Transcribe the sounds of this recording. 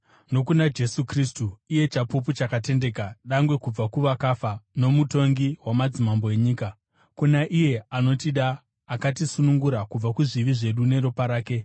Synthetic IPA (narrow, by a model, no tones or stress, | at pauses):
no̞kunad͡ʒe̞sukristuije̞t͡ʃapup̬ut͡ʃakate̞nde̞kaɗaŋɡwe̞kub͡vakuʋakafano̞muto̞ŋɡiwamad͡zimambo̞e̞ɲiːka | kunaʔije̞ano̞tiɗaː | kat̬isunuŋɡuɾakub͡vakuʐiʋiʐe̞ɗune̞ɾopaɾaːke̞